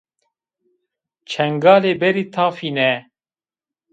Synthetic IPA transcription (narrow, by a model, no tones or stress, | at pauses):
t͡ʃʰɛŋɡaːleːbɛɾiːt̪ʰaːfiːnɛ